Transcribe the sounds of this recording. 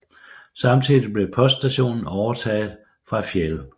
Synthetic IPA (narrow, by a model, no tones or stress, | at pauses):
sɑ̈mt͡sʰiðˠib̥le̝pʰɒ̽sd̥d̥æɕo̝̰ːnn̩ɒʊɐt͡sʰɛ̰ːð̩ˠ | fʁɑ̈fjel